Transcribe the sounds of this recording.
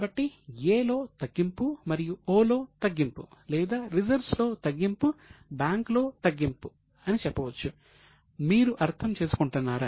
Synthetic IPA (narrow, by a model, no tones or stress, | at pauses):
bɐʈːijeːlo̞ːt̪ɐɡːimpumɐɾijuoːlo̞ːt̪ɐɡːimpulɛːd̪aːɾid͡ʒɐɾslo̞ːt̪ɐɡːimpubaːŋklo̞ːt̪ɐɡːimpu | ɐnit͡ʃɛpːɐʋɐt͡ʃːu | miːɾuʔɐɾt̪ʰɐmt͡ʃe̞ːsu̥kuɳʈunːaːɾaː